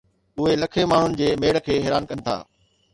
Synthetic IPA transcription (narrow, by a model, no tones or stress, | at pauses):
ʊɦelɐkʰemaːɳ̤ʊnɪ̆d͡ʑeːmeːɽkʰeːɦeːɾaːnkɐnɪ̆t̪ʰa̰ː